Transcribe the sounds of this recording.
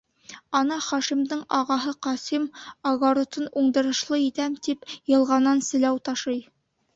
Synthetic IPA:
ɒnɑχɒʃimd̪ɤɴɒʁɑɦɤqɒsimɒɡoɾŏt̪ɤnuɴd̪ɤ̆ɾɤ̆ʃlˠɤit̪æmt̪ipjɤ̆lˠʁɑnːɑnsɘ̆læwt̪ɑʃɤj

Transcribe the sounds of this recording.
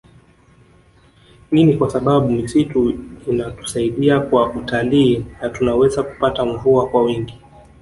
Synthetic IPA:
ninikwasaɓaɓumisituinatu̥saiɗiakwaʔutaliːnatunawɛzaku̥pataɱvuakwawiŋɡi

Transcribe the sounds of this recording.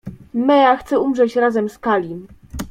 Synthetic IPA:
mɛjaxt̪sɛumʐɛt͡ɕɾazɛmskalʲi

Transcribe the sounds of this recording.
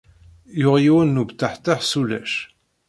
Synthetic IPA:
jʊʁjiwænːubt̪ːaħt̪ːaħsulæ̰ʃ

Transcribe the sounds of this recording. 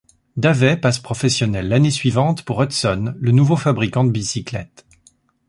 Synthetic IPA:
d̪avɛpaspχɔfɛsjɔnɛlːanesɥivɑ̃t̪puʁɔt̪sɔnlənuvofabʁikɑ̃d̪əbisiklɛ̰t̪

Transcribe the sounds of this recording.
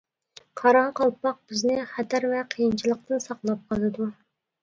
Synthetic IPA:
qʰɑɾɑqɑlˠpːɑq̚b̥ɪznɪχæt̪æɾvɛqʰəjint͡ʃʰilˠəq̚t̪ɨnsɑqlˠɑp̚qʰɑlˠɨd̪u

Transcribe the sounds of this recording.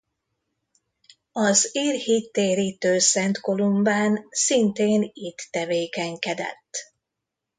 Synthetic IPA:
ɒziːrhit̪ːeːɾiːt̪øːsɛnt̪ko̞lumbaːnsint̪eːnit̪ːɛveːkɛŋkɛd̪ɛ̰t̪ː

